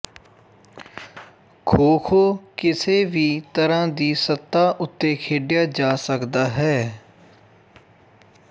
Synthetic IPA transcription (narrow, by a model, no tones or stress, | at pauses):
kʰoːkʰoːkɪseːʋiːt̪əɾãːd̪iːsət̪ːaːʔʊt̪ːeːkʰeːɖɪjaːd͡ʒaːsəkd̪aːɦɛː